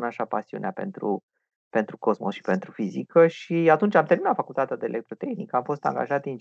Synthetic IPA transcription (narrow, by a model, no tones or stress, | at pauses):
naʃapasiṵneape̞̰nt̪ɾṵ | pe̞nt̪ɾuko̞smosʃi̥pe̞nt̪ɾufizikəʃiat̪unt͡ʃamt̪e̞ɾminat̪fakult̪at̪ead̪eːlʔek̚t̪ɾot̪e̞xnikəamfo̞st̪a̰ŋɡa̰ʒat̪in